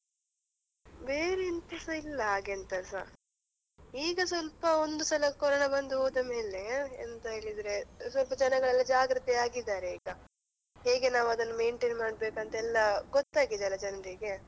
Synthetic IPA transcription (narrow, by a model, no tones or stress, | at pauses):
beːɾeint̪ɐsɐilːɐɦaːɡent̪ɐsɐ̰ | iːɡɐsʋɐlpɐond̪usɐlɐkɔɾɔɳɐbɐnd̪uɦoːd̪ɐme̞ːle̞ːnt̪ɐɦeːɭid̪ɾe̞sʋɐlpɐd͡ʒɐnɐɡɐɭɐlːɐd͡ʒaːɡɾɐt̪iaːɡid̪aːɾeiːɡɐ | heːɡe̞naːʋuɐd̪ɐnːumeːɳʈeːnmaːɖ̚be̞ːkɐnt̪ɐɛlːɐɡɔt̪ːaːɡid̪eɐlːɐd͡ʒɐnɐɾiɡe̞